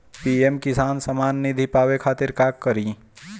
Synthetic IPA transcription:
piːemkɪsaːnsɐmaːnːid̪ʱipaːwekʰaːt̪ɪɾkaːkːəɾi

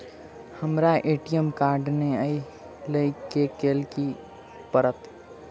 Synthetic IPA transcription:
həmɾaʔeːʈijəmkaːɾɖneəi | ləikekeːlki | pəɾət̪

